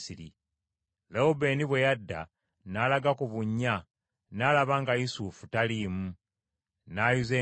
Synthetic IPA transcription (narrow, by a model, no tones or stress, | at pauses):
siɾḭ | leobe̞niβwe̞jadːa̰ | nalaɡakuβuɲːa | naːlaβaːŋɡajisufutaliːmu | naːjuze